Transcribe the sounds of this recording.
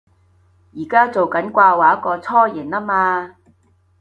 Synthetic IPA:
jiː˨˩kaː˥t͡so˨wkɐ˨˥nkʷaː˧waː˨˩jɐ˥kɔː˧t͡sʰɔː˥ji˨˩nlaː˥maː˧

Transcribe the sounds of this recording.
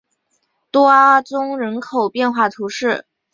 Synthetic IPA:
t̪wɔ˥a˥t͡sʊ˥ŋɻə˧˥nkʰo˨˩ʊpjɛ˥˧nxwa˥˩t̪ʰu˧˥ʂɻ̩˥˩

